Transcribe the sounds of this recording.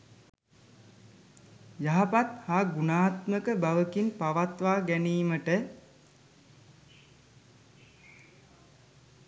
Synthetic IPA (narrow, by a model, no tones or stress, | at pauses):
jaɦapat̪haːɡunaːt̪məkəbaʋəkinpaʋat̪ʋaːɡæniːməʈə